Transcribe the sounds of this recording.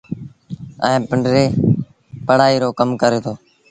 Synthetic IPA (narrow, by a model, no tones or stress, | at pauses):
ə̰ẽːpəɳɖɾeː | pəɽaːiːɾoːkəmkəɾeːt̪ʰoː